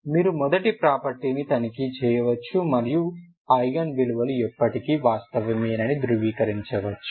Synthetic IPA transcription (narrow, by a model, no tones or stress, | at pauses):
miːɾumɔd̪ɐʈipɾaːpɐɾʈiːnit̪ɐnikit͡ʃɛːjɐʋɐt͡ʃːumɐɾiju | ɐjɡɐnʋiluʋɐluɛpːɐʈikiʋaːst̪ɐʋɐmiːɐnɐnid̪ɾuʋiːkɐɾiɲt͡ʃɐʋɐt͡ʃːu̥